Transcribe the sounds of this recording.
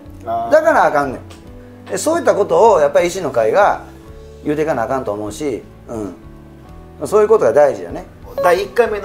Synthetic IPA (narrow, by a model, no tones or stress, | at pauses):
d̪akaɾaːkãnːḛ̃ | d̪eso̞ːit̪ːako̞t̪o̞ːjapːaɾʲiiɕino̞kaiɡa | jɯ̟ːt̪e̞kanakãnt̪o̞ːmo̞ɯ̟ɕi | ɯ̃ː | masoːjɯ̟ko̞t̪o̞ɡad̪aiʑij̪o̰ne̞ | d̪aiikːaimen